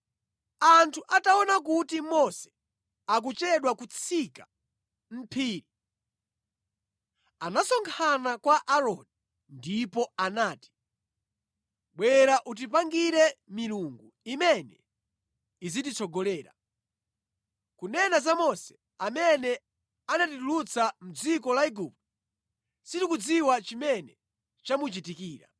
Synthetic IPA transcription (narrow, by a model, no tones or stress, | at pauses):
antʰuʔataɔnak̬utimɔsɛ̥ | ak̬ut͡ʃɛɗwakut͡sʰika | m̩pʰiːɾi | anasɔŋkʰanakwaʔaɾɔni | ndipɔanaːti̥ | ɓwɛɾaʔut̬ipaŋɡiɾɛmiɾuŋɡu | imɛnɛ | izitit͡sʰɔɡɔlɛːɾa̰ | kunɛnazamɔsɛ̥ | amɛnɛ | anatitulut͡sam̩d͡zikɔlaiɡup̚tɔ | sitikud͡ziwat͡ʃimɛnɛ | t͡ʃamut͡ʃitikiːɾa̰